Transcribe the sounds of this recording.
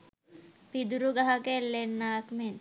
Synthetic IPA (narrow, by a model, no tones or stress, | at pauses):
pid̪uɾuɡaɦakelːenːakmen